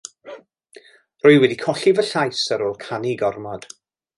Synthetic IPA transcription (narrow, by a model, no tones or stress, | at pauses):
rʊɨwɛdikʰɔɬivəɬajsəɾoːlˠkʰaniɡɔrmɔd̥